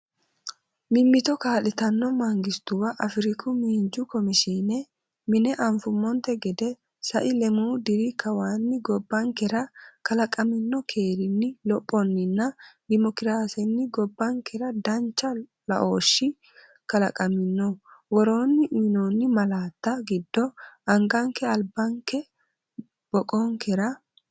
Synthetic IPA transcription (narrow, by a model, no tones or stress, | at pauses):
mɪmːɪt̪ɔkaːlɪt̪ɐnːɔmɐŋɡɪst̪ʊwɐʔɐfɪɾɪkʊmiːnd͡ʒʊkɔmɪʃiːnɛ | mɪnɛʔɐɱfʊmːɔnt̪ɛɡɛd̪ɛ | sɐ̰ʔɪlɛmuːd̪ɪɾɪkɐwaːnːɪɡɔbːɐŋkɛɾɐkɐlɐkʼɐmɪnːɔkʰeːɾɪnːɪlɔpʼːɔnːɪnːɐd̪ɪmɔkɪɾaːsɛnːɪɡɔbːɐŋkɛɾɐd̪ɐnt͡ʃːɐ | lɐ̰ʔo̞ːʃːɪ | kɐlɐkʼɐmɪnːɔwɔɾo̞ːnːɪʔiːnoːnːɪmɐlaːt̪ːɐɡɪd̪ːɔɐŋɡɐŋkːɛɐlbɐŋkːɛ | b̥ɔkʼoŋkɛɾɐ